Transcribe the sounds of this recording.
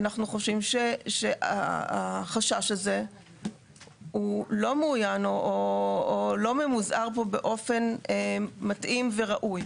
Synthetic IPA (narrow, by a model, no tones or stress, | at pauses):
anaχnuχo̞ʃimʃeʃeʔa̰a̰χaʃaʃaze̞ | hulo̞muːjanoʔoː | lo̞memuzʔaʁpo̞be̞ʔo̞fe̞nematʔimve̞ʁaʔuj